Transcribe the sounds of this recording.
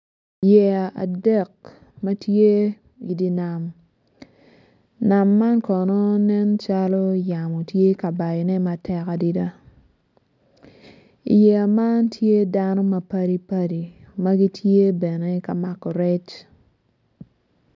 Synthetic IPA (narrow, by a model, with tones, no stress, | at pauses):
jɛ˨a̰˨dɛ˦˨k̚ | ma˦tje˦ | i˨di˦na˨m | na˨mːa˦nkɔ˨nɔ˦nɛ˦nt͡ʃa˦lɔ˦ja˨mo˨tje˦ka˨ba˨jɔ˨nɛ˦ma˨tʰɛ˦ka˨di˦da˦ | ḭ˨jɛ˨a˨ma˦ntʰje˦da˦nɔ˦ma˨pa˦ɾi˦pa˦di˨ma˦ɡi˦tʰje˦bɛ˨ne˦ka˨ma˦kɔ˨ɾɛ˦t͡ʃ